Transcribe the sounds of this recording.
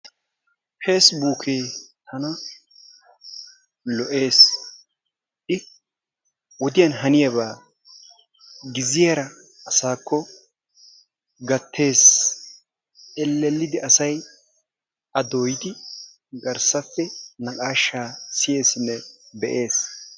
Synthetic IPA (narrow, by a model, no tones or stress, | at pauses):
feːsbuːkʰeːt̪ʰɐnɐ | lɔʔe̞ːs | ʔɪ | wɔd̪ɪjɐnɦɐnɪjɐβaː | ɡɪzɪjɐɾɐ | ɐsaːkʰːɔ | ɡɐt̪ʰːe̞ːs | ɛlːɛlːɪd̪ɪʔɐsɐj | ɐd̪oːjɪd̪ɪ | ɡɐɾsɐfːɛnɐkʼaːʃːaːsɪje̞ːsɪnːɛbɛ̰ʔe̞ːs